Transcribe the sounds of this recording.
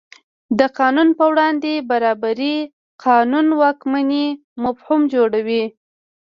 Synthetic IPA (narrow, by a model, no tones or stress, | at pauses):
d̪əqɑnunpəwɽɑnd̪ebaɾɑbaɾi | qʰɑnunwɑkmani | mʊfhumd͡ʒoɽawi